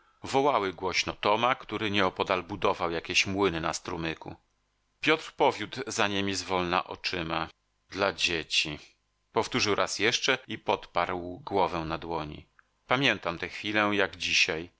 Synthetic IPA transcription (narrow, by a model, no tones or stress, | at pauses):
vɔwawɘɡwɔɕnɔt̪ɔmakt̪uɾɘɲɛɔpɔd̪albud̪ɔvawjakʲeɕmwɘnɘnast̪ɾumɘkṵ | pʲjɔt̪ɾpɔvʲjud̪zaɲemʲizvɔlna̰ʔɔ̰t͡ʂɘma | d̪lad͡ʑet͡ɕi | pɔft̪uʐɘwɾʔasjɛʂt͡ʂɛipɔt̪paɾwɡwɔvɛnad̪wɔɲḭ | pamʲjɛnt̪amt̪ɛxfʲilɛjaɡd͡ʑiɕaj